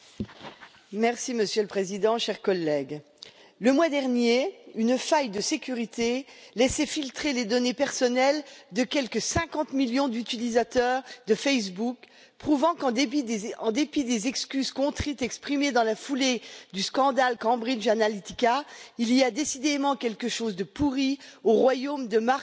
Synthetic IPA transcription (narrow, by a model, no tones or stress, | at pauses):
mɛʁsiməsjøləpχezid̪ɑ̃ʃɛʁkɔlːɛɡ | ləmwad̪ɛʁnjeynfajd̪əsekʲyʁit̪elɛsɛfilt̪χeled̪ɔnepɛʁsɔnɛld̪əkʲɛlkəsɛ̃kɑ̃t̪miljɔ̃d̪yt̪ilizat̪œʁd̪əfɛjs̬buk | pχuvɑ̃kɑ̃d̪eɑ̃d̪epid̪ezɛkskʲyzkɔ̃t̪χit̪ɛkspχimed̪ɑ̃lafuled̪yskɑ̃d̪alkɑ̃bʁilʒanalit̪ikailiad̪esid̪emɑ̃kʲɛlkəʃozd̪əpuʁioʁwajomd̪əma